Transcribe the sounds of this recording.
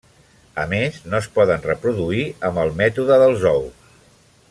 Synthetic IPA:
əmeznoəspɔðənrəpɾuðuiəmbəlˠmɛt̪uðəðəlˠzɔws

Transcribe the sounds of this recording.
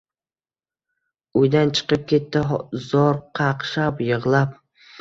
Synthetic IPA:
ʊjd̪ant͡ʃʰɨ̥qɨp̚kʲʰe̞t̪ːɪɦzɒɾqʰɑqʃapjɨʁlˠap̚

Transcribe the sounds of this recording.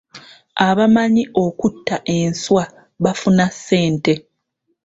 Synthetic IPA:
aβamaɲiʔo̞kutːaʔe̞nswa | βafunasːe̞ːnte̞

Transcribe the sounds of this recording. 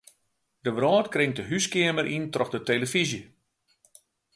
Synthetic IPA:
dəbɾɔːtkrɪŋtəɦyskɪəməɾʔintrɔxdəteːləfizjə

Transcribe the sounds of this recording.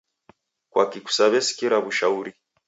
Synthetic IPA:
kwa̰kiku̥saβɛsi̥kiɾaβuʃauɾi

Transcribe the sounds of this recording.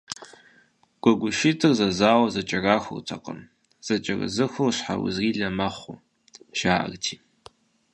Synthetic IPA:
ɡ̥ʷɔɡʷʊʃitʰɨrzɐzaːwɐzɐt͡ʃʼɐraːxʷʊ̰rtʰɐqʼə̰n | z̥ɐt͡ʃʼɪrɨ̰zɨxʷorɕħa̰wʊ̰zriːɮɐmɐχʷu | ʒ̥aːʔɐ̰rtʰiː

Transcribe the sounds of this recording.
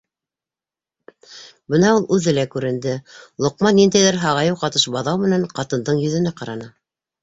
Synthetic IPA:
bɤnɑulˠʉðɘlækʉɾɘ̆nd̪ɘlˠŏqmɑnːind̪æjðɘɾɦɑʁɑjɤwqɑt̪ɤʃbɑðɑwmɘ̆næɴqɑt̪ɤ̆nd̪ɤɴjɵ̆ðɘ̆næqɑɾɑnɑ

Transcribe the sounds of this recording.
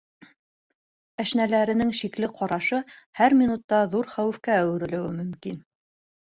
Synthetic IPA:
æʃnælæɾɘ̆nɘŋʃiklɘqʰɑɾɑʃɤhæɾmʲinut̪ːɑðuɾχæwɘ̆fkæːwɘ̆ɾɘ̆lɘ̆wɘmɵ̆mkin

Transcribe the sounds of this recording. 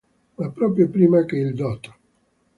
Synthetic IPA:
mapːɾɔːp̬ɾjopɾiːmakeild̪ɔt̪o̥

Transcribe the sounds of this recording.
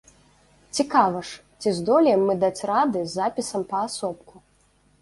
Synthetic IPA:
t͡sʲikavɐʂt͡sʲizd̪ɔlʲjɛmːɨd̪at͡sʲrad̪ɨzːapʲisɐmpɐːsɔpku

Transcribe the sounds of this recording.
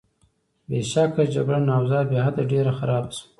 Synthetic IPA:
beʃakad͡ʒaɡɽanɑwzɑɾbjɑhad̪aɖeɾaxaɾɑbasu̥

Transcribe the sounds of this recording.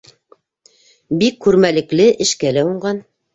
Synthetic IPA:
bikːʉɾmælɘ̆klɘʔɘ̆ʃkælæuɴɢɑn

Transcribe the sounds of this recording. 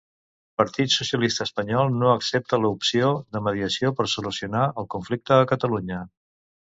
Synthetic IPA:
pəɾt̪it̪susiəlist̪əːspəɲɔlˠnoəksɛp̚t̪ələupsioðəməð̞iəsiopəɾsulusiunaʔəlˠkuɱflik̚t̪əːkət̪əluɲə

